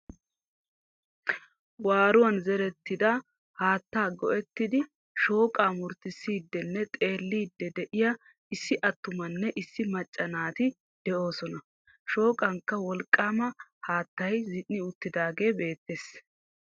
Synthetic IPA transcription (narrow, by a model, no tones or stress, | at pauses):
waːɾʊwɐnzɛɾɛt̪ːɪd̪ɐ | haːt̪ːaːɡɔ̰ʔɛt̪ːɪd̪ɪ | ʃo̞ːkʼaːmʊɾt̪ɪsːiːd̪ːɛnːɛt̪ʼe̞ːlːiːd̪ːɛd̪ɛʔɪjɐ | ɪsːɪʔɐt̪ːʊmɐnːɛʔɪsːɪmɐt͡ʃʼːɐnaːt̪ɪ | d̪̥ɛʔo̞ːsɔnɐ | ʃo̞ːkʼɐŋkːɐwɔlkʼːaːmɐhaːt̪ːɐjzɪnːɪʊt̪ːɪd̪aːɡe̞ːbe̞ːt̪ːeːs